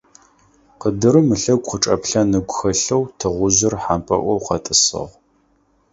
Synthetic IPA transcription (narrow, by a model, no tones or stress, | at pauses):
qədɨɾɨmɨɬɐɡʷʼqəʈ͡ʂʼɐpɬɐnɨɡʷʊxɐɬɐwtʰɨʁʷʊzɨrħampʼɐ̰ʔʷɔwqɐtʼɨsɨ̰ʁʷ